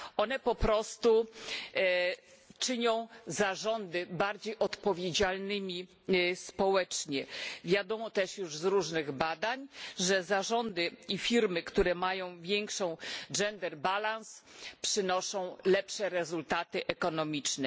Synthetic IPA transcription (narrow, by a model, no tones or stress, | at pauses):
ɔnɛpɔpɾɔst̪u | t͡ʂɘɲɔ̃w̃zaʐɔnd̪ɘbaɾd͡ʑejʔɔt̪pɔvʲjed͡ʑalnɘmʲi | spɔwɛt͡ʂɲɛvʲjad̪ɔmɔt̪ɛʂjuʐzɾuʐnɘɣbad̪aɲʐɛzaʐɔnd̪ɘifʲiɾmɘkt̪uɾɛmajɔ̃w̃vʲjɛŋkʂɔ̃w̃d͡ʐɛnd̪ɛɾbalãns | pʂɘnɔʂɔ̃w̃lɛpʂɛɾɛzult̪at̪ɘʔɛkɔnɔmʲit͡ʂnɛ